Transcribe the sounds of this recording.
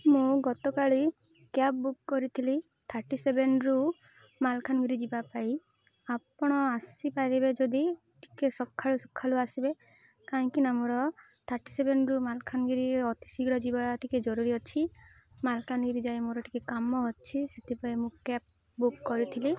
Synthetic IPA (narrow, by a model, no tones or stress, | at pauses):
mũɡɔt̪ɔkaɭi | kap̚bukːɔɾit̪ʰili | t̪ʰaɾʈisebenɾu | malkʰanɡiɾid͡ʒibapai | apɔɽ̃ɔasipaɾibed͡ʒod̪i | ʈʰi̥kesɔkʰːaɭusɔ̥kʰːaluasibe | kaɦĩkinamɔɾɔ | t̪ʰaɾʈi̥sebenɾumalkʰanɡiɾieɔt̪i̥siɡɾɔd͡ʒibaʈiked͡ʒɔɾuɾiɦɔt͡ʃʰi | malkʰanɡiɾid͡ʒajmoɾɔʈʰi̥kekamɔɦɔt͡ʃʰiset̪ʰipaemũkap̚ | bukːɔɾit̪ʰili